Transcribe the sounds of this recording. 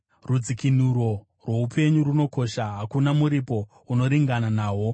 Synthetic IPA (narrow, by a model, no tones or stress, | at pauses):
rud͡zikinuɾo̞ | rwe̞upʰe̞ɲuruno̞koʃaɦakunamuɾipo̞ | uno̞ɾiŋɡananaːwo̞